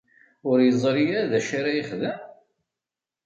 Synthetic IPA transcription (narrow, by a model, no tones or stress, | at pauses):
ʊɾjəzˤɾijæðæʃaɾajɪχðəm